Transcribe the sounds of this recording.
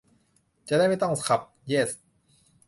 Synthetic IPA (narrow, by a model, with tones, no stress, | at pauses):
t͡ɕa˨ʔda˥˩jma˥˩jt̪ɔ˥˩ŋskʰa˨˩p̚jeː˥˩s